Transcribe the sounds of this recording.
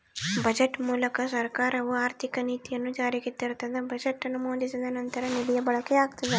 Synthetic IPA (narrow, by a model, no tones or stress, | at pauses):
bɐd͡ʒeʈːmuːlɐkɐsɐɾkaːɾɐʋuaːɾt̪ʰikɐniːt̪ijɐnːud͡ʒaːɾiɡet̪iɾut̪ɐd̪ebɐd͡ʒeʈːɐnumoːd̪isid̪ɐnɐnt̪ɐɾɐnilijɐbɐɭɐkeaːɡt̪ɐd̪e